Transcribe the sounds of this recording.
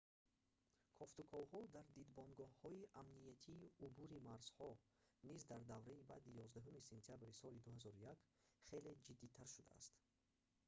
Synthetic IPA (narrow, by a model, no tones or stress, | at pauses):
kʰɔft̪ukʰɔvhɔd̪aɾd̪id̪bɔnɡɔhhɔiʔamnijat̪ʰiːubuɾimaɾz̥hɔ | nizd̪aɾd̪avɾaiba̰d̪ijɔzd̪aɦumise̞nt̪ʰijabɾisɔlid̪uhazɔɾujak | χe̞le̞d͡ʒid̪ːit̪ʰaɾʃud̪a̰a̰st̪